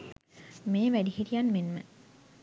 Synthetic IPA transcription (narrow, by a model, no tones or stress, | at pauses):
meːʋæɖihiɾijanmenmə̰